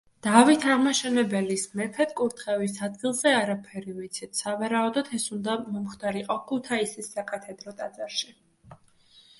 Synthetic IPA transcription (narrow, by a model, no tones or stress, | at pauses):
d̪̥avit̪ʰaʁmaʃɛnɛbɛlismɛpʰɛt̪̚ʰkʼuɾt̪ʰχɛvisad̪̚ɡilˠzɛaɾapʰɛɾivit̪sʰit̪ʰsavaɾaɔd̪ɔt̪ʰɛsund̪amɔmχd̪aɾiqʼɔkʰut̪ʰaisɛsːakʼat̪ʰɛd̪ɾɔt̪ʼad̪zaɾʃi